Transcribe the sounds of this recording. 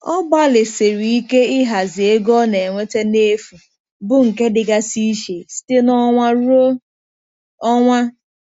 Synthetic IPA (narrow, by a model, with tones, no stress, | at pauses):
ɔ˦ba˦lɪ˨se˨ɾi˨i˦ke˦ɪ˦ɦa˨zɪ˨e˦ɡɔ˦ne˨ŋʷe˦te˦ne˦fu˨ | bʊ˦ŋ̩˨ke˦dɪ˨ɡa˦si˦ʃe˨si̥˦te˦nɔ˦ŋʷa˦ɾo˦ | ɔ˦ŋʷa˦